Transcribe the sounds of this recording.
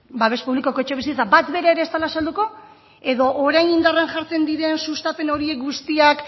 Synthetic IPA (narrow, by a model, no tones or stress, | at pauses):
baβespuβlikoko̞t͡ʃeβis̬it͡sabat̪be̞ɾaeɾe̞ːst̪alasald̪uko̞ | e̞ðo̞ʔoɾajnind̪aranʝaɾt͡se̞nd̪iɾe̞nsust̪ape̞no̞ɾie̞k̚ɡust̪iak